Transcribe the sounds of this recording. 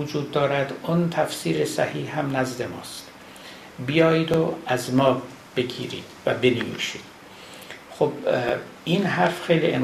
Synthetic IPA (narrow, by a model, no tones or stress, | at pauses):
od͡ʒuːd̪ːɒːɾæd̪ont̪ʰæfsiːɾesæ̰hiːhhæmnæzd̪emɒ̰ːst̪ | bijɒːjid̪oæzmɒː | b̥e̞ɡʲḭːɾḭːd̪̥væbe̞nevḭːʃiːd̪̥ | xob̥ | iːnɦæɾfxejliʔen